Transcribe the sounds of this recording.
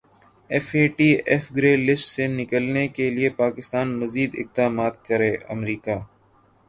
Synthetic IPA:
ɛfeːʈiːɛfɡɾeːlɪsʈsenɪkəlnekeliepaːkɪst̪aːnmɐziːd̪ɪ̰k̚d̪aːmaːt̪kɐɾeːɐ̰mɾiːkaː

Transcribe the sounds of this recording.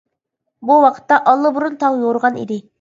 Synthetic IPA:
buwɑqʰə̥t̪ːɑʔɑlˠːəbuɾunt̪ʰɑŋjoɾʁɑnḭd̪ɪ

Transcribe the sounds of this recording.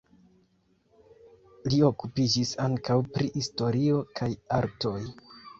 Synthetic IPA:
lio̞kupid͡ʒisaŋkawpɾihisto̞ɾio̞kʰajaɾto̞j

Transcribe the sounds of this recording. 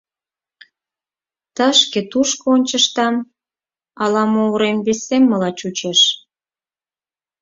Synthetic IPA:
t̪əʃket̪uʃkoonʲt͡ɕəʃt̪ɑm | ɑlɑmoɾembesemːəlɑt͡ɕut͡ɕeʃ

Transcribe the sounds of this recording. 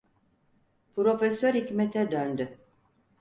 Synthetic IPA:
pʰɾo̞fɛsøɾhicmɛt̪ʰɛd̪ønd̪y

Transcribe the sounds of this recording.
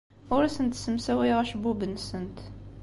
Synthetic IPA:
ʊɾæsənt̪səmsæwæjʁæʃbubənsənt̪

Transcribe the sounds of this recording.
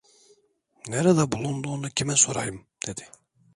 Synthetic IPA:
neɾad̪abulˠund̪uːnucʰimɛsoɾajɯmd̪̥ed̪̥i

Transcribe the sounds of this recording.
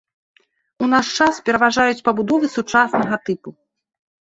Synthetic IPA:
un̪aʂt͡ʂaspʲɛɾɐvaʐajut͡sʲpɐbud̪ɔvɨsut͡ʂasnɐɣɐt̪ɨpu

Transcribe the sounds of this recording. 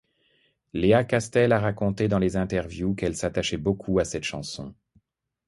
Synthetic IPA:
leakast̪ɛlaʁakɔ̃t̪ed̪ɑ̃lezɛ̃t̪ɛʁvjukɛlsat̪aʃɛbokʰuasɛt̪ʃɑ̰̃sɔ̰̃

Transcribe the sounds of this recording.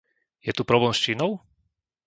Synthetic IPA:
jɛt̪upɾɔblɛːmst͡ʃiːnɔʊ

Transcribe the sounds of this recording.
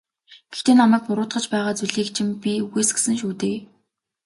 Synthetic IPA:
ɡ̥ext̪eːnamæːk̚pʊɾʊːt̪χɢə̆t͡ɕpæːʁaːt͡suɮiːk̚t͡ɕʰɪ̆mpʲiuɣeːsɡe̥sɘ̆ŋʃuːt̪eː

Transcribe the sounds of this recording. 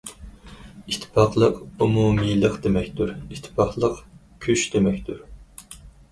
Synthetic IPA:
it̪ʰːɪ̥pʰɑχlˠəqumumilˠəqd̪emɛkʲt̪uɾit̪ʰːɪ̥pʰɑχlˠəq | kʲʰyʃd̪emɛkʲt̪uɾ

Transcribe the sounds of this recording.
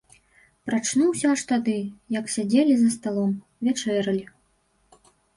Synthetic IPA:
pɾat͡ʂnuwsʲaʂt̪ad̪ɨjɐksʲad͡zʲelʲizɐst̪alˠɔm | vʲat͡ʂɛɾɐlʲi

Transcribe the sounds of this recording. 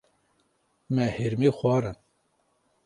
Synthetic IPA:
mɛhiɾmiːxʷɑːɾɨn

